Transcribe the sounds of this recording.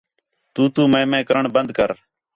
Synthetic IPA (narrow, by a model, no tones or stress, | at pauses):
t̪uːt̪uːmẽːmẽːkəɾəɳbənd̪kəɾ